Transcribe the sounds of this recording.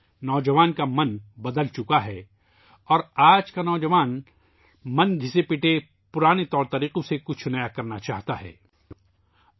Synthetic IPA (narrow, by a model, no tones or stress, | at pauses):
nɔːd͡ʒɐʋaːnkamɐnbɐd̪əlt͡ʃʊkaɦɛː | ɔːɾaːd͡ʒkanɔːd͡ʒɐʋaːn | mɐnɡʱɪsepɪʈe | pʊɾaːnet̪ɔːɾt̪ɐɾiːqõsekʊt͡ʃʰnɐjakɐɾnat͡ʃa̰ːɦt̪aɦɛ̰ː